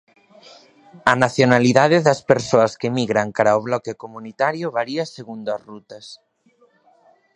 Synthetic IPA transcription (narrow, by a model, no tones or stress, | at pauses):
ɐnaθjonaliðaðeðɐspeɾsoɐskemiɣɾaŋkaɾaoβ̞lɔkekomunit̪aɾjoβaɾiaseɣund̪oazrut̪ɐs